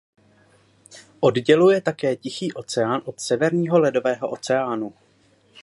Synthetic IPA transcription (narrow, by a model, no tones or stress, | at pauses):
ʔo̞dɟɛlujɛt̪akɛːcɪxiːʔo̞t͡sɛaːnʔo̞t̪sɛvɛɾɲiːɦo̞lɛdo̞vɛːɦo̞ʔo̞t͡sɛaːnu